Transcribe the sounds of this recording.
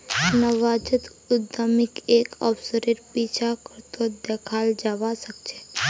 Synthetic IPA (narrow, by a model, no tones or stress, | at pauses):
nəʋad͡ʒət̪ | ʊd̪amikekɔ̰psəɾeʈpit͡ʃʰakəɾt̪od̪ɛkʰald͡ʒaʋaʃəkt͡ʃʰe